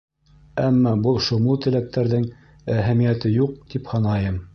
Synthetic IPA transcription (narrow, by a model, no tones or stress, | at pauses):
æmːɑbulˠʃŏmulˠt̪ɘ̆læk̚t̪æɾðɘŋ | æɦæmijæt̪ɘjuq̚t̪iphɑnɑjɤm